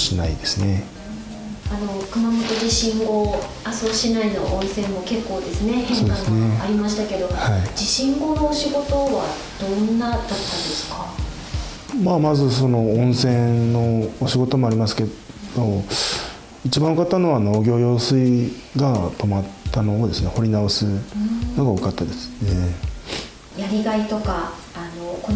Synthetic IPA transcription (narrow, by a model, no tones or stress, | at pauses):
ɕina̰ḭd̪e̞sɨne̞ | ano̞kɯ̟mamo̞t̪o̞ʑiɕĩŋɡo̞ | aso̞ɕinainoʔõɰ̃sẽ̞mːoke̞kːo̞ːd̪e̞sɨne̞heod̪ãsneaɾʲimaɕi̥t̪ake̞d̪o̞haid͡ʑiɕĩŋɡo̞no̞ːɕiɡo̞t̪o̞βa | d̪̥õ̞nːad̪at̪ːãnd̪esɨ̥ka | maːmazɨso̞no̞õɰ̃sẽ̞no̞ːɕiɡo̞t̪o̞mo̞aɾʲimasɨ̥ke̞ | d̪̥o̞ | it͡ɕibãɰ̃okat̪ːano̞βanoːɡʲo̞ːjo̞ːsɨi | ɡat̪o̞mat̪ːano̞ːd̪e̞sɨne̞ho̞ɾʲinaosɨno̞ɡaokat̪ːad̪e̞sɨ̥e | jaɾʲiɡait̪o̞kaː | no̞ko